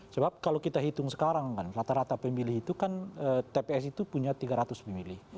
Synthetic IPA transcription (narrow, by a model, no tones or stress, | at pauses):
səbap̚kalokit̪aɦit̪ʊŋsə̥kaɾaŋkanrat̪aɾat̪apəmbilɪhit̪ukanət̪epeɛsit̪upuɲat̪iɡaɾat̪ʊspəmbilɪh